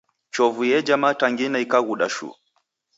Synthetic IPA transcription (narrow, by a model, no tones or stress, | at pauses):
t͡ʃɔvujɛd͡ʒamataŋɡinaikaɣuɗaʃṵ